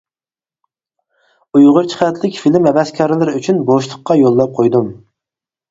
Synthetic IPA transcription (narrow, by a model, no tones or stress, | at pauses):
ujʁʊɾt͡ʃʰə̥χʰɛt̪lɪkʲfilɪmhɛbɛskʰʲɑːɾɪlɪɾɪyt͡ʃʰynboʃlˠəqːɑjolˠːɑp̚qʰojd̪um